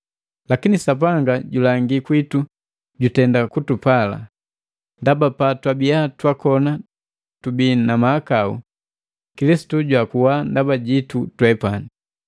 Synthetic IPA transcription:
lakinisap̬aŋɡaɟulaŋɡikwitu | ɟutɛndakutupala̰ | ndabapatwabijatwakɔna | tubinamahakaṵ | kilisi̥tuɟwakuwandabaɟitutwɛpani

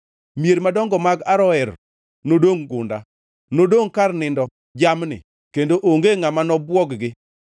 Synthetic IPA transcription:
mjeɾmadɔŋɡɔmaɡaɾɔɛr | nodoŋɡʊ̰nda̰ | nodoŋkarnɪndɔ | d͡ʒamnɪ̰ | kendoʔoŋɡeŋamanɔbwɔɡɡɪ

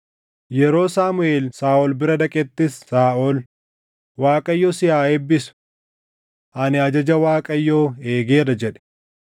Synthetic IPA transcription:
jɛɾo̞ːsaːmʊeːlsaːʔɔlbɪɾɐd̪ɐkʼɛt̪ːɪsːaːʔol | waːkʼɐjːoːsɪhaːɛbːɪsʊ̥ | ʔɐnɪɐd͡ʒɐd͡ʒɐwaːkʼɐjːoːeːɡeːrɐd͡ʒɛᶑɛ̥

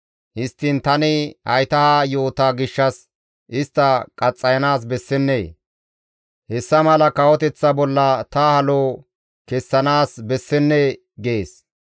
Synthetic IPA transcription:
hɪst̪ːɪnt̪ɐnɪhɐ̰jt̪ɐhaːjo̞ːt̪aːɡɪʃːɐs | ɪst̪ːɐkʼɐt͡sʼːɐjɐnaːs̬bɛsːɛnːeː | hɛsːɐmɐlɐkɐwɔt̪ɛt͡sːɐbɔlːɐt̪ɐhɐloː | kɛsːɐnaːsbɛsːɛnːe | ɡeːs

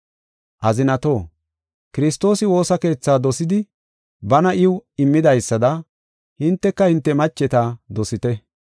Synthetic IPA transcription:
ʔɐzɪnɐt̪o̞ː | kɪɾɪst̪ːo̞ːsɪwo̞ːsɐke̞ːt͡sːaːd̪ɔsɪd̪ɪ | bɐnɐʔɪwɪmːɪd̪ɐjsːɐd̪ɐ | hɪnt̪ːɛkːɐhɪnt̪ːɛmɐt͡ʃːɛt̪ad̪ɔsɪt̪ɛ

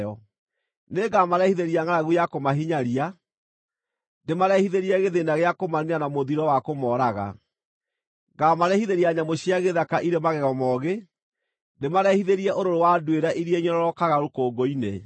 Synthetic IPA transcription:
ɔ | neɡamaɾɛhiðeɾiaŋanaɣujakomaɦiɲaɾia | ndemaɾɛhiðeɾiɛɣeðenaɣeakomaɾianamoðiɾɔwakomɔɾaɣa̰ | ɡamaɾɛhiðeɾiaɲamoɕiaɣeðakaʔiɾemaɣɛɣɔmɔɣe | ndemaɾɛhiðeɾiɛʔoɾoɾowadweɾaʔiɾiɛɲɔɾɔɾɔkaɣaɾokoːɡoine

